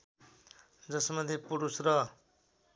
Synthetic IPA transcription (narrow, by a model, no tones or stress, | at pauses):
d͡zʌsmʌd̪ʱjepuɾusrʌ